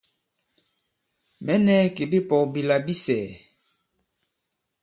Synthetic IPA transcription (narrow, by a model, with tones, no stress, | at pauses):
mɛ˨˦nɛ˦ke˨be˦pɔ˨kbi˨la˨bi˦sɛ˨